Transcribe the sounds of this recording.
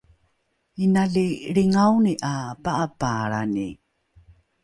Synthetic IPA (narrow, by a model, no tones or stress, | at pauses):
inaɮiɾiŋawniʔapaʔapaɾanḭ